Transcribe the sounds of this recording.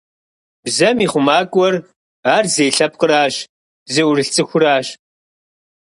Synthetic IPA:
b̥zɐmiːχʷʊmaːkʷʼɔr | aːrzejɬɐp̚qəɾaːɕ | zewʷʊrɨɬt͡sʼɨxʷʊraːɕ

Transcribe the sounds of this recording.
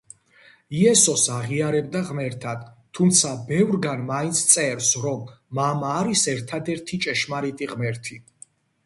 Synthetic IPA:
iɛsɔsaʁiaɾɛb̚d̪aʁmɛɾt̪ʰad̪̥ | t̪ʰːumt̪sʰabɛvɾɡanmaint̪sʰt̪sʼɛɾsɾɔmːamaːɾisɛɾt̪ʰad̪ɛɾt̪ʰit͡ʃʼɛʃmaɾit̪ʼiʁmɛɾt̪ʰi

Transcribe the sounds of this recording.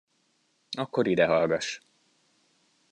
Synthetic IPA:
ɒkːo̞ɾid̪ɛɦɒlɡɒʃ

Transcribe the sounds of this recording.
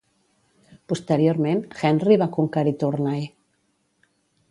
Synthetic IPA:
pust̪eɾjoɾmẽnxɛnriβakuŋkaɾit̪uɾnaj

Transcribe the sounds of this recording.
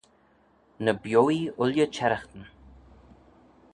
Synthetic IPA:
nəbjoːiʊljət͡ʃʰɛɾəxt̪ən

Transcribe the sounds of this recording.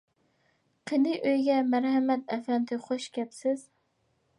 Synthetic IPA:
qʰenɪʔøjɡʲɛmæɾhɛmɛt̪ɛfɛnt̪ʰɪχoʃkʲɛpsɪz̥

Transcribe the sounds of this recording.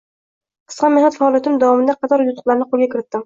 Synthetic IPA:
qʰɨ̥sqɑnmehnat̪faːlˠijat̪md̪awɒmɪnd̪aqʰɑt̪ʰɒɾjʊt̪ʰʊ̥qlˠaɾɪnɪqʰolˠɡʲakʲʰɪɾɪt̪ːɪm

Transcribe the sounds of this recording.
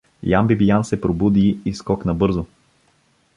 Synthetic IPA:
jambibijansɛpɾobud̪iːskɔknɐbɤɾzo

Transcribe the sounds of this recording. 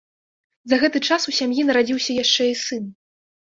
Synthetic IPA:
zɐɣɛt̪ɨt͡ʂasusʲamjinɐɾad͡zʲiwsʲɐjaʂt͡ʂɛisɨn

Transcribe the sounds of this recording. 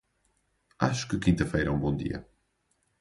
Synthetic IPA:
a̰ʃu̥kɨkĩnt̪ɐfejɾɐũbõd̪ḭɐ̰

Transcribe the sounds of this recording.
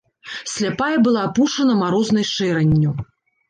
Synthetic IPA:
sʲlʲapajɐbɨlˠaːpuʂɐnɐmaɾɔznɐjʂɛɾɐnʲːu

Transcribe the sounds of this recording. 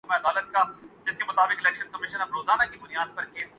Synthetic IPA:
meɐd̪aːlət̪̚kad͡ʒɪskemʊt̪aːbɪkelɛːkʃənkɐmɪʃənɐpɾoːzaːnakibʊnijaːd̪̚pɐɾkeːs

